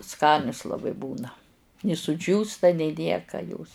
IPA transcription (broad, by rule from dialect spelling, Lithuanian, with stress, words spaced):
ˈskɑːnʲʊs lˠɐˈbɐɪ ˈbuːnɐ nʲɪ sʊˈd͡ʒʲuːstɐ nʲɛɪ ˈnʲiɛkɐ joːs